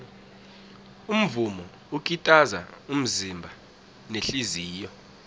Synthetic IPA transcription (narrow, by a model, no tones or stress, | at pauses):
um̩vumɔ | uk̬ʼitʼazaum̩zimbʱa | neɬiziːjɔ